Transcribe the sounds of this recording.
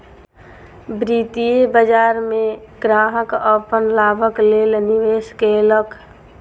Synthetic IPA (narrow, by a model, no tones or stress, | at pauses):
bɾiːt̪iebəd͡ʒaːɾmẽɡɾãːɦəkəpənlaːbʱəkleːlniʋeːskeləkʰ